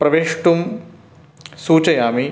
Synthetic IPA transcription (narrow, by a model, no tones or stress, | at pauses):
pɾɐʋeːʂʈum | suːt͡ʃɐjaːmi